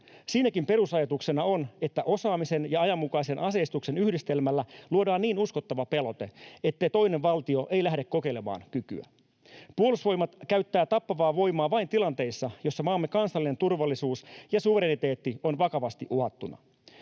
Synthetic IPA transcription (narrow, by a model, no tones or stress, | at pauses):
siːnækimpe̞ɾusɑjɑt̪ukse̞nɑo̞ne̞t̪ːæʔo̞sɑːmise̞njɑɑjɑmːukɑise̞nʔɑse̞ist̪ukse̞nyhdist̪e̞lmælːæluodɑːnːiːnusko̞t̪ːɑʋɑpe̞lot̪e̞̰e̞t̪ːe̞jt̪o̞jne̞ʋʋɑlt̪io̞ʔejlæhdekko̞ke̞lemɑ̰ːnkyky̰æ̰ | puo̞lusʋo̞jmɑt̪kæɥt̪ːæːt̪ɑpːɑʋɑːʋo̞jmɑːʋɑint̪ilɑnt̪e̞isːɑjo̞sːɑmɑːmːekɑnsɑlːinent̪urʋɑlːisuːsjɑsuʋe̞ɾenit̪e̞ːt̪ːio̞nʋɑkɑʋɑst̪iʔuɦɑt̪ːunɑ̰